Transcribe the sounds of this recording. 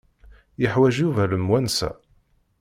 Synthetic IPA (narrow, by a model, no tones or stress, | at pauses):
jəħwæʒjuvæləmwænsæ̰